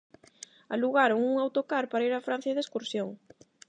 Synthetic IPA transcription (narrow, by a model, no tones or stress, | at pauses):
aluɣaɾoŋuŋawt̪okaɾpaɾaiɾafɾan̟θjɐðeskuɾsjoŋ